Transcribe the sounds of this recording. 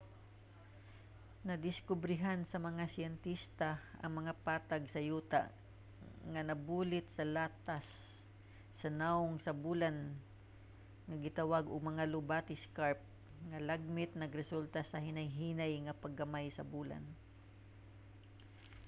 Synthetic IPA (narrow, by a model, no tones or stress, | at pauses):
nɐd̪ɪskʊbɾɪɦansɐmɐŋasɪɛnt̪ist̪aʔɐ̰ŋmɐŋapaːt̪aɡsɐjuːt̪a̰ | ŋɐnɐbuːlɪt̪̚sɐlaːt̪asː | ɐnaʊŋsɐbuːlan | ŋɐɡɪt̪awaɡʊɡ̚mɐŋalʊbaːt̪ɪskaɹp̚ | ŋɐlaɡ̚mɪt̪̚nɐɡɾɛsult̪asɐhɪnajɦiːnajŋɐpɐɡɐmajsɐbuːla̰n